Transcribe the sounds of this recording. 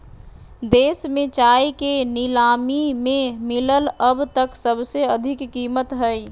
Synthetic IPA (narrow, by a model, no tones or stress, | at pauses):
d̪esmẽt͡ʃajkenilamimẽmilələbt̪əksəbseəd̪ʱikːimət̪ɦəj